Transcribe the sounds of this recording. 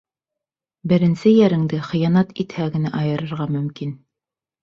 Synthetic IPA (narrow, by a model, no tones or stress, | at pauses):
bɘ̆ɾɘ̆nsɘjæɾɘ̆ŋd̪ɘχɤ̆jɑnɑt̪it̪hæɡɘ̆næʔɑjɤ̆ɾɤ̆ɾʁɑmɵ̆mkin